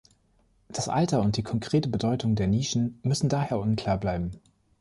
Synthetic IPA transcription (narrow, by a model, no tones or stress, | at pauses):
d̥asʔa̰ltɐʊnt̚d̥iːkʰɔŋkʁ̥eːtəbədɔʏtʰʊŋdeːɐniːʃn̩mʏsn̩daːheːɐʔʊnkʰl̥aːɐblaɪbm̩